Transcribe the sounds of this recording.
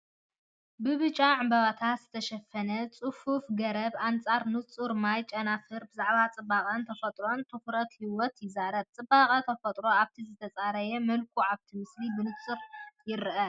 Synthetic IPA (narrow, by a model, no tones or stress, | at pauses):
bɨβɨt͡ʃʼaʕɨmbɐβat̪ʰat̪z̥ɨt̪ʰɐʃɐfːɐnɐt͡sʼɨfufɡɐɾɐbant͡sʼaɾnɨt͡sʼuɾmajt͡ʃʼɐnafɨɾbɨzaʕβat͡sʼɨbaqʼɐnt̪ʰɐfɐt̪ʼɾo̞nt̪ʰɨxɾɐt̪hiwɔt̪jɪzaɾɐb̚t͡sʼɨbaqʼɐt̪ʰɐfɐt̪ʼɾo̞aβt̪ʰizɨt̪ʰɐt͡sʼaɾɐjɛmɐlkʰuʕaβt̪ʰimɨslibɨnɨt͡sʼɨɾjɪɾʔɐ